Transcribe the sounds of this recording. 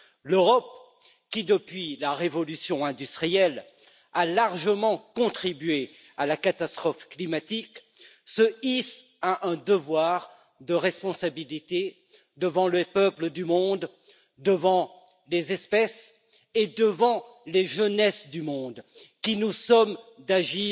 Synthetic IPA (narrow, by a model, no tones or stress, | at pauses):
løʁɔp̚ | kʲid̪əpɥilaʁevɔlysjɔ̃ɛ̃d̪yst̪χijɛl | alaʁʒəmɑ̃kɔ̃t̪χibɥe | alakat̪ast̪χɔfklimat̪ik | səis | aʔɛ̃d̪əvwaʁ | d̪əʁɛspɔ̃sabilit̪e | d̪əvɑ̃ləpœpləd̪ymɔ̃d̪ | d̪əvɑ̃ | lezɛspɛs | ed̪əvɑ̃leʒənɛsd̪ymɔ̃d̪kʲinusɔmd̪aʒi